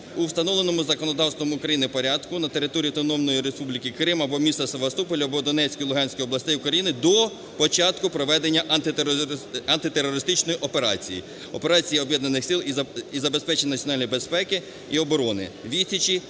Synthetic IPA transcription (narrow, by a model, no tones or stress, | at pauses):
uwst̪ɐnɔʋlˠenɔmʊzɐkɔnɔd̪ɑwst̪ʋɔmʊːkɾɐjinɪpɔɾʲad̪kʊnɐt̪e̞ɾɪt̪ɔɾʲiɐt̪ɔnɔmnɔjiɾe̞spublʲikɪkɾɪmɐbɔmʲist̪ɐseʋɐst̪upɔlʲʊɐbɔd̪ɔnɛt͡sʲkɔjlˠʊɦɑnʲsʲkɔjɔblˠɐsʲt̪ɛjʊkɾɐjinɪd̪ɔ | pɔt͡ʃɑt̪kʊpɾɔʋɛd̪enʲːɐʔɐnt̪ɪ | ɐnt̪ɪt̪eɾːɔɾɪst̪ɪt͡ʃnɔjiʔɔpe̞ɾɑ̰t͡sʲḭjḭ | ɔpe̞ɾɑt͡sʲijiɔbjɛd̪nɐnɪxsʲilˠizɐbe̞spɛt͡ʃenʲɐnɐt͡sʲjɔnɑlʲnʲijbespɛkɪ | iɔbɔɾɔnɪ̰ʋʲisʲɐt͡ʃi